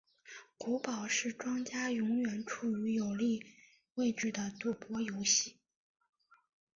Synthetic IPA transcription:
ku˧˥pɑ˨˩ʊʂɻ̩˥˩ʈ͡ʂwɑ˥ŋt͡ɕja˥jʊ˧˥ŋɥɛ˨˩nʈ͡ʂʰu˨˩y˧˥jo˨˩ʊli˥˧ | we˥˧ɪʈ͡ʂɻ̩˥˩d̪ə˩t̪u˨˩pwɔ˥jo˧˥ʊɕi˥˩

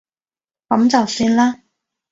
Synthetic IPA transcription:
kɐ˨˥mt͡sɐ˨wsyː˥nlaː˥

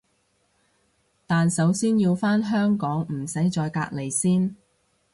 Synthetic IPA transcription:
t̪aː˨nsɐ˨˥wsiː˥njiː˧wfaː˥nɦœː˥ŋkɔː˨˥ŋm̩˨˩sɐ˨˥jt͡ʃɔː˧jka̰ː˧k̚le˨˩jsiː˥n

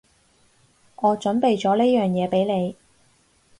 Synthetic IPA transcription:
ŋɔː˨˧t͡ʃɵ˨˥npe˨˧jt͡sɔː˨˥leː˥jœː˨˩ŋjɛː˨˧pe˨˥jle˨˧j

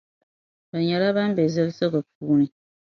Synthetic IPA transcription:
ba˨ɲɛ˨la˦ba˦n˦bɛ˨zɨ˦lsɨ˦kɨ˨p̚uː˦nɨ˨

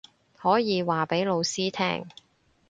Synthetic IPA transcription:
hɔː˨˥jiː˨˧waː˨pe˨˥jlo˨˧wsiː˥t̪ʰɛ̰ː˥ŋ

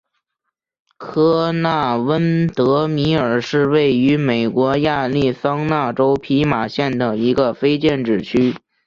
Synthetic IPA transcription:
kʰɤ˥na˥˩wə˥nt̪ɤ˧˥mi˧˥ə˞˨˩ʂɻ̩˥˧we˥˩ɪy˧˥me˨˩ɪkwɔ˧˥ja˥˧li˥˩sɑ˥ŋna˥˩ʈ͡ʂo˥ʊpʰi˧˥ma˨˩ɕjɛ˥˩nd̪ə˩i˧˥ɡə˧fe˥ɪt͡ɕjɛ˥˧nʈ͡ʂɻ̩˥˩t͡ɕʰy˥

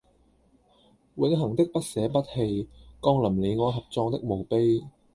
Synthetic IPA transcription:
wʊ˨˥nɦɐ˨˩ŋt̪ɪ˥k̚pɐ˥t̚sɛː˨˥pɐ˥t̚he˧jkɔː˧˥ŋlɐ˨˩mle˨˧jŋɔː˨˧ɦɐ˨p̚t͡sɔː˧ŋt̪ɪ˥k̚mo˨˩wpe˥j

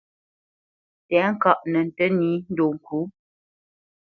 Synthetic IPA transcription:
tɛ˨˦ŋ̩˦kɔ˦˨ʔnə˨n̩˨tə˦niː˨˦n̩˦do˨ŋ̩˨kʰu˨˦

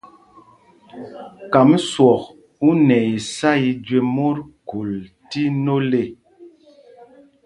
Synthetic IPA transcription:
ka˨mswɔ˨k | u˦nɛ˨i˨sa˦i˨d͡ʒwe˨mo˦ɾku˨l | ti˦no˦le˦˨

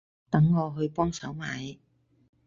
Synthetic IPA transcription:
t̪ɐ˨˥ŋːɔː˨˧ɦɵ˧ɥpɔː˥ŋsɐ˨˥wma̰ː˨˧j

